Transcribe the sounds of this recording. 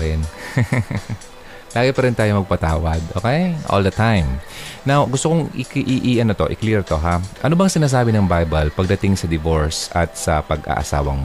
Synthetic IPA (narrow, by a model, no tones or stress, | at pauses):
ɾɛn | laːɡɪpɐɾɪnt̪aːjomɐɡ̚pɐt̪aːwɐd̪ʔo̰ːkɛjʔo̰ld̪ɐt̪ãjmnawɡʊst̪oko̞ŋɪkʔiʔiʔɐnot̪o̞̰ʔɪ̰kliɹt̪o̞ɦaʔɐnobɐŋsɪnaːs̬aːbɪnɐŋbajbɐlpɐɡ̚d̪ɐt̪ɪŋsɐd̪ɪvoɹsʔɐt̪̚sɐpɐɡʔa̰ːʔɐ̰sa̰ːwɐŋmo